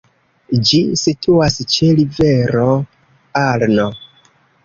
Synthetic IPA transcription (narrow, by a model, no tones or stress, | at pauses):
d͡ʒisitʰuast͡ʃelive̞ɾo | aɾno